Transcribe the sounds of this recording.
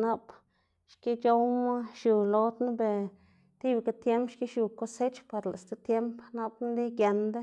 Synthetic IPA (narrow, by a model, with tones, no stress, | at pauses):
na˦p | ʃki˦t͡ʃo˦wma˦ʃju˨lo˧˦d̪na˦be˧ | t̪i˦bka˧t̪je˦mpʃki˦ʃju˨ko˦se˦t͡ʃpa˨ɾla̰˨st̪e˧˦t̪je˦mpna˦bn˦d̪i˦ɡja˧nd̪a˦